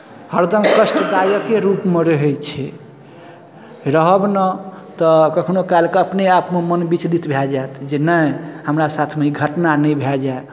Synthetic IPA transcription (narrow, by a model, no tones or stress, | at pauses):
həɾd̪ʱəmkəsʈd̪ajəkeɾupmeɾəɦɛjt͡ʃʰɛ | ɾəɦəbnət̪ɔkəkʰnokalkeəpneapmemənbit͡ʃd̪it̪bʱɛld͡ʒaet̪ʰd͡ʒenəjhəmɾasat̪ʰmeiɡʱəʈnanəbʱɛld͡ʒae